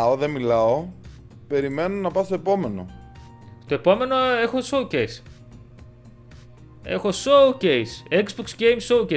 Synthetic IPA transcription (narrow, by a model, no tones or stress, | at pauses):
oðemilɐo | pe̞ɾime̞nonɐpɐst̪oe̞po̞me̞no̞̰ | st̪o̞e̞po̞me̞no̞e̞xo̞sowcejs | e̞̰xo̞sowcejsekzboksɟejmsowce